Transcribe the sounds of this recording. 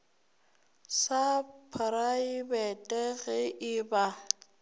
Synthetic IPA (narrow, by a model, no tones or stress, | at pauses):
sapʰɾaibɛtʼɛɣɛʔɪba